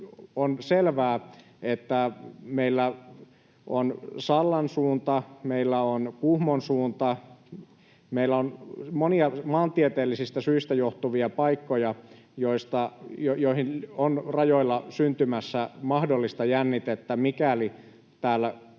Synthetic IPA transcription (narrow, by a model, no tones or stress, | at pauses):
onselʋæː | et̪ːæmeilːæ | ʔonsɑlːɑnsuːnt̪ɑmeilːæonkuhmonsuːnt̪ɑ | meilːæonmoniɑmɑːnt̪iet̪eːlːisist̪æsyist̪æjoht̪uʋiɑpɑikːojɑ | joist̪ɑjojoihinonrɑjoilːɑsynt̪ymæsːæmɑhdolːist̪ɑjænːit̪et̪ːæmikæli | t̪æːlːæ